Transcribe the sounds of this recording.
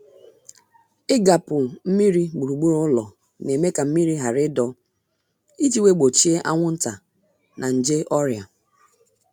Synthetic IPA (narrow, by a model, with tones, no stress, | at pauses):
ɪ˦ɡa˨pʊ˨m̩˦mi˦ɾi˦ɡ͡bu˨ɾu˨ɡ͡bu˦ɾo˦ʊ˦lɔ˨ | ne˨me˦ka˨m̩˦mi˦ɾi˦ɦa˨ɾɪ˦dɔ˦ | i˦d͡ʒi˦we˦ɡ͡bo˨t͡ʃi˦e˦ʔa˦ŋʷʊ˦n̩˦ta˨ | nʔa˨n̩˨d͡ʒe˦ʔɔ˦ɾja˨